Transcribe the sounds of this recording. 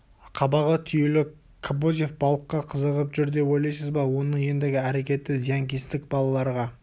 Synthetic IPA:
qʰɑbɑʁət̪ʰʏjelɪ | kʰabozʲje̞fbɑlˠəqːɑqʰəzəʁəpʒʏɾd̪e̞pojlˠɑjsəzbɑwo̞nəŋje̞nd̪ɪɡʲɪæɾe̞kʲe̞t̪ːɪzijaŋkʲest̪ɪk̚bɑlˠɑlˠɑɾʁɑ

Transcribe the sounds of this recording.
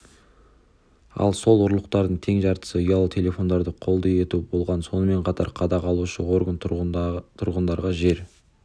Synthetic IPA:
ɑ̰lˠso̞lˠʊɾlˠəq̚t̪ɑɾd̪əɴt̪ʰe̞ŋʒɑɾt̪ə̥səʊjɑlˠət̪ʰe̞lʲe̞fo̞nd̪ɑɾd̪əqʰo̞lˠd̪əe̞t̪ubo̞lˠʁɑnso̞nəme̞ɴqʰɑt̪ɑ̰ɾqʰɑd̪ɑqʰɑlˠuʃəwo̞ɾɡən | t̪ʰʊɾʁənd̪ɑɾʁɑʒe̞ɾ

